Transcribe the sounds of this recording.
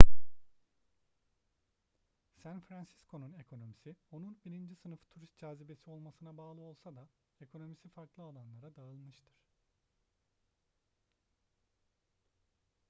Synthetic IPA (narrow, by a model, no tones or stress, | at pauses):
sænfɾansi̥skʰo̞nune̞kʰo̞no̞misionunbiɾind͡ʒisɯnɯft̪ʰuɾist̪̚d͡ʒaːzibe̞sio̞lˠmasɯnabaːlˠɯo̞lˠsad̪a | e̞kʰo̞no̞misifaɾklˠɯalˠanlˠaɾad̪aɯlˠmɯʃt̪ʰɯɾ̝̥